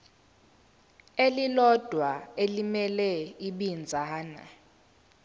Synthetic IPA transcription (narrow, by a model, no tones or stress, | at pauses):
elilɔd̥ʱwaelimɛlɛiɓind͡zʱaːna̰